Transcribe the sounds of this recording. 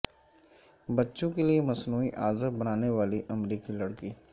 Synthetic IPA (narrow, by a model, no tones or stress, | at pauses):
bɐtːʃõkeliemɐsnuːiʔaːzəbɐnaːneʋaːliʔɐmɾiːkilɐɽkiː